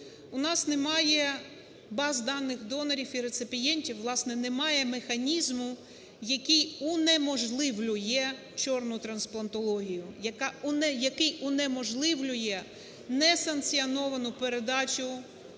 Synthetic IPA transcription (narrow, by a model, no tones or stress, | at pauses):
ʊnɑsnemɑjɛ | bɑzd̪ɑnːɪxd̪ɔnɐɾʲifiɾet̪sɪpʲijɛnʲtʲiwʋlˠɑsnɛnemɑjɛmexɐnʲizmʊ | jɐkʲijunɛmɔʒlˠɪʋlʲʊjɛ | t͡ʃɔrnʊt̪ɾɐnsplˠɐnt̪ɔlˠɔɦʲijʊjɐkɑnɛjɐkɪjʊnɛmɔʒlˠɪʋlʲʊjɛ | nɛsɐnk̪t͡sʲiɔnɔʋɐnʊpeɾed̪ɑt͡ʃʲʊ